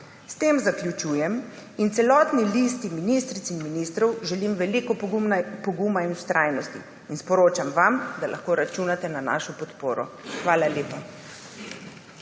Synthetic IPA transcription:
st̪eːmzakljut͡ʃuːjɛmint̪sɛlɔːt̪nilist̪iminist̪ɾit̪inminist̪ɾɔwʒɛlimʋɛlikɔpumnapɔɡuːmainust̪ɾʔaːjnɔst̪ḭ | inspɔɾoːt͡ʃamʋamd̪alʔa̰xkoːɾat͡ʃuːnat̪ɛnana̰ːʃɔpɔt̪poːɾɔxʋaːlaljeːpa

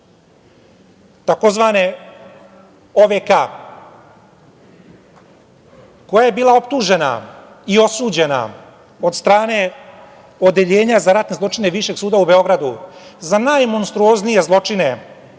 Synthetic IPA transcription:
t̪ako̞zʋaːne̞ | oʋeka | ko̞jaje̞biːlˠao̞pt̪uʐe̞na̰ | io̞suːd͡ʑe̞na̰ | o̞d̪st̪ɾaːne̞ | o̞d̪e̞ʎeːɲazaɾat̪ne̞zlˠot͡ʂine̞ʋiʃe̞ɡsuːd̪aube̞o̞ɡɾad̪uzanajmo̞nst̪ɾuo̞znije̞zlˠo̞t͡ʂine̞

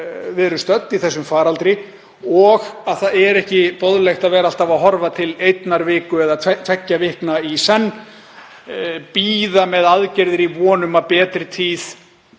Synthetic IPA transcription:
vɪðɾʏst̪œt̪ːiθɛsːʏmfaːɾalt̪ɾɪ | ɔɣaðθaðɛɾɛhcɪpoðlext̪aðvɛːɾal̥t̪avaɦɔɾvat̪ʰɪlejt̪naɾvɪːkʏɛðat̪ʰvɛcːavɪhknaisɛnː | piːðamɛðaðcɛɾðɪɾivɔːnʏmapɛːt̪ɾɪt̪ʰiːθ

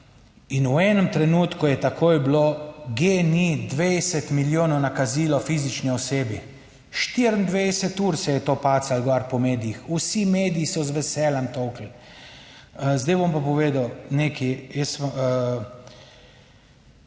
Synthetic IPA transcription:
inuɛːnəmt̪ɾɛnuːt̪kujɛt̪akʰoːjbloɡenid̪ʋejsɛt̪miljoːnɔwnakaziːlɔfiːzit͡ʃniɔseːbi | ʃt̪iɾnd̪ʋesɛt̪uɾsɛjɛt̪opaːt̪salɡɔaɾpɔmeːd̪ijixusimeːd̪ijisɔzʋɛsɛːlamt̪owkl | zd̪ɛjbompapɔʋeːd̪awneːkijɛs

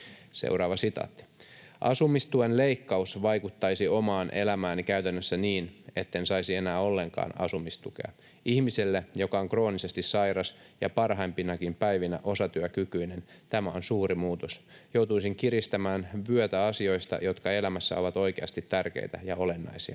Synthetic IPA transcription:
sḛwɾɑːʋɑsit̪ɑ̰ːt̪ːi̥ | ʔɑsumist̪uenleikːɑusʋɑjkut̪ːɑisiomɑːnʔelæmæːnikæyt̪ænːøsːæniːne̞t̪ːensɑisienæːo̞lːe̞ŋkɑ̰ːnɑ̰sumist̪ukḛɑ̰ | ihmiselːejo̞kɑoŋkro̞ːnise̞st̪issɑirɑs | jɑpɑrɦɑimpinɑkimpæjʋinæ̰ʔo̞sɑt̪yøkykyinen | t̪æmæonsuːɾimuːt̪osjowt̪uisiŋkiɾist̪æmæːnʋyøt̪æɑsio̞ist̪ɑ̰jo̞t̪kɑe̞læmæsːæ̰o̞ʋɑt̪o̞ikeɑst̪it̪ːærkḛit̪æ̰jɑo̞le̞nːɑ̰isiɑ

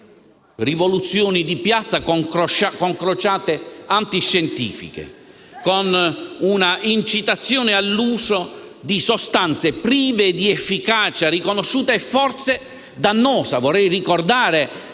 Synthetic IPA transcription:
rivɔlut̪sːjɔːnid̪ipjat̪sːakɔŋkakɔŋkɾɔt͡ʃaːt̪eant̪iʃːɛnt̪ḭːfḭkḛ | kɔnunaint͡ʃit̪at̪sːjɔːnɪalːuːsod̪isɔst̪ant̪sepɾiːveːd̪iɛfːikaːt͡ʃarikonɔʃːuːt̪aɛfːɔrt̪se | d̪anːɔːsavɔrːɛjrikɔrd̪aːɾɪ

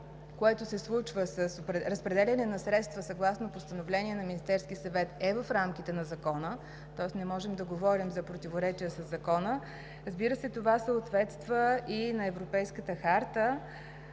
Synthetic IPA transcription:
koɛt̪ʊsɛslˠut͡ʃvəsəsopɾɾəspɾɛd̪ɛlʲɐnɛnɐsɾɛt̪st̪vəsɐɡlˠasnopost̪ənovlɛniɛnɐminist̪ɛɾskisɐvɛt̪ɛvəfɾamk̟it̪ɛnɐzɐkɔnə | t̪ɔɛsnɛmɔʒɛmd̪ɐɡovɔɾimzɐpɾot̪ivoɾɛt͡ʃiəsəzːɐkɔnə | ɾəzbiɾəsɛt̪ovasəot̪vɛt̪st̪vəinɐɛvɾopɛjskət̪əxaɾt̪ə

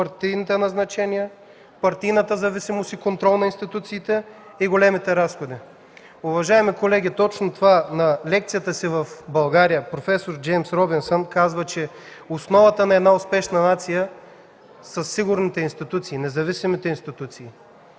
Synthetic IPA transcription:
pɐɾt̪ijnit̪ɛnɐznɐt͡ʃɛnijɛ | pɐɾt̪ijnət̪əzɐvisimosikont̪ɾɔlˠnɐinst̪it̪ut̪siːt̪ɛ | iɡolɛmit̪ɛɾasxod̪i | ʊvɐʒaɛmikolɛɡ̟ʲit̪ɔt͡ʃnʊt̪ovanɐlɛk̚t̪sijət̪əsivɐfbɐlˠɡaɾijəpɾofɛsoɾd͡ʒɛjmsɾɔbinsonkazvət͡ʃɛ | osnɔvət̪ənɐɛd̪naʊspɛʃnɐnat̪sijə | sɐsːiɡʊɾnit̪ɛinst̪it̪ut̪siːnɛzɐvisimit̪ɛinst̪it̪ut̪siː

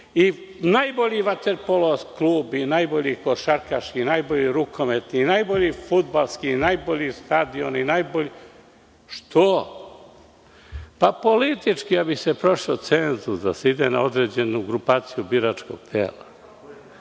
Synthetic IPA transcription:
i | najboʎiːʋat̪eɾpoloskluːbinajboʎikoʃaɾkaʃkinajboʎiɾukʰomet̪ninajbo̞ʎifud̪balˠskinajboʎist̪ad̪io̞̰ninajboʎi | ʃt̪ʰo | papo̞lit̪it͡ʃkiabisepɾo̞ʂot̪senzusd̪a̰seid̪ena̰o̞d̪ɾe̞d͡ʑe̞nuɡɾupaːt̪sijubiɾat͡ʃko̞̰ɡ̥̚t̪ʰḛːla̰

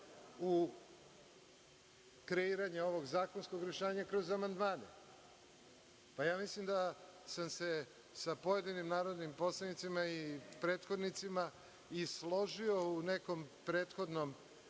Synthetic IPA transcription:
u | kɾeiːɾaɲeo̞ʋo̞ɡzaːkonsko̞ɡɾeʃeːɲakɾo̞zamand̪maːnḛ | pajaːmislimd̪asamse | sapo̞je̞d̪inimnaːɾo̞d̪nimpo̞slˠanit̪simaipɾeːt̪xo̞d̪nit̪sima | islˠo̞ʒio̞une̞ko̞mpɾe̞ːt̪xo̞d̪no̞m

